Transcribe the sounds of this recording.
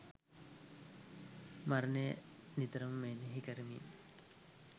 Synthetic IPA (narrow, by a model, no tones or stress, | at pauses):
maɾne | nid̪ɐɾɐmːeneɦikɐɾmḭ